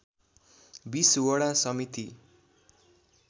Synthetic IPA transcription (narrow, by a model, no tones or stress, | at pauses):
biswʌɽasʌmit̪i